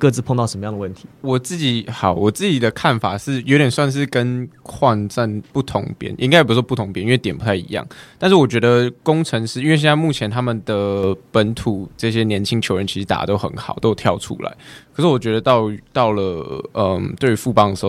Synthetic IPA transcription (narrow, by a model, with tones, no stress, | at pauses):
kɤ˥˧t͡sɹ̩˥˧pʰo˥˧ŋt̪ɑ˥˩ʊʂə˧mə˧jɑ˥ŋdə˨wə˥˩nt̪ʰi̥˨˧˦wɔ˨˩t͡sɹ̩˥˩t͡ɕi˨˥˦xɑ˨˩˦ʊwɔ˨˩t͡sɹ̩˥˩t͡ɕi˨˩d̪ə˩kʰa˥˩nfa˨˩ʂɻ̩˥˩jo˧ʊt̪jɛ˨˩nswa˥˧nʂ̬ɻ̩˥˧kə˦nkʰwɑ˥˧ŋt͡sa˥˧npu˥˩t̪ʰʊ˧˥ŋpjɛ̰˧˥˦nʔi˥ŋka˥ɪe˩pu˧˩˥wɔ˥˧pu˥˩t̪ʰʊ˧˥ŋpjni˥nwe˥˩t̪jɛ˨˩pu˧˥t̪ʰa˥˩ɪḭ˧˥jɑ̰˥˩ŋt̪a˥˧nʂɻ̩˥˩wɔ˨˩t͡ɕɥɛ˧˥d̪ə˧kʊ˥ŋʈ͡ʂʰə˧˥ŋʂɻ̩˥˧i˥nwɕ̬jɛ˥˩t͡sa˥˧mu˥˩t͡ɕʰjɛ˧˥nt̪ʰa˥mə˨nd̪ə˩pə˧˦nt̪ʰu˨˩ʈ͡ʂɤ˥˩ɕjɛ˦˥njɛ˧˦˥nt͡ɕʰi˥ŋt͡ɕʰjo˧˥ʊɻə˧˦nt͡ɕʰi˧˥ʂɻ̩˧˥t̪a̰˨˩t̪o˥ʊxə̰˧˦nxɑ̰˨˩ʊt̪o˥˧t̪ʰjɑ˥˧ʊʈ͡ʂʰṵ˥la̰˧˦ɪkʰə˨˩ʂ̩˥˩wɔ˨˩t͡ɕɥɛ˧˥d̪ə˧t̪ɑ˥˩ʊt̪ɑ˥˩ʊlə˩ə˩mt̪we˥˩ɪy˧˦fu˥˩pɑ˥ŋd̪ə˩ʂ̩˧˥o˥˩